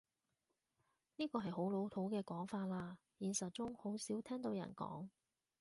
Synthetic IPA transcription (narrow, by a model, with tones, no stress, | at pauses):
niː˥kɔː˧ɦɐ˨jɦo˨˥wlo˨˧˥wt̪ʰo˨˥wkɛː˧kɔː˨˥ŋfaː˧t̚laː˧ | jiː˨˩nsɐ˨t̚t͡sʊ˥ŋho˨˥wsiː˨˥wt̪ʰɛː˥ŋt̪o˨˧wjɐ̰˨˩nkɔ̰ː˨˥ŋ